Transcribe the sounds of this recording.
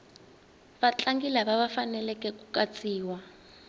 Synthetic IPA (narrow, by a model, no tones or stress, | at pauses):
βat͡ɬaŋɡilaβaβafanɛlɛkɛkukat͡sʼiːwa